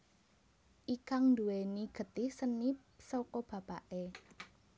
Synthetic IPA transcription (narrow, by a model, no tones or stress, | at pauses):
ʔikaŋnd̪uweniɡ̥ə̤t̪ɪhsənipsokɔb̥ä̤pa̰ʔe